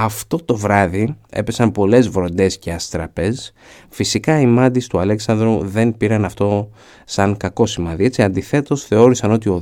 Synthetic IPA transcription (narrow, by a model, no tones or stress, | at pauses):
ɐft̪o̞t̪o̞vɾɐðie̞̰pe̞sɐmpo̞le̞zvɾo̞nd̪e̞sce̞ɐst̪ɾɐpe̞s | fisikɐimɐd̪ist̪uɐle̞ksɐnd̪ɾuðe̞npiɾɐnɐft̪o̞ | sɐŋkɐko̞simɐðie̞t͡siɐnd̪iθe̞t̪o̞sθe̞o̞ɾisɐno̞t̪io̞